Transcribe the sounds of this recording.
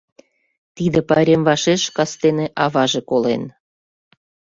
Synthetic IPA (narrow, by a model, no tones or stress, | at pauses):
t̪id̪ĕpɑɾʲemvɑʃeʃkɑst̪eneʔɑvɑʒekolḛn